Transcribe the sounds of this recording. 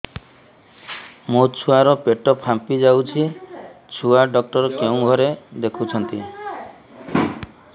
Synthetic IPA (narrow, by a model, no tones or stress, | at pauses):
mot͡ʃʰuaɾɔpeʈɔpʰãmpid͡ʒawt͡ʃʰit͡ʃʰuaɖɔk̚ʈɔɾɔkeũɡʱɔɾed̪ekʰut͡ʃʰɔnt̪i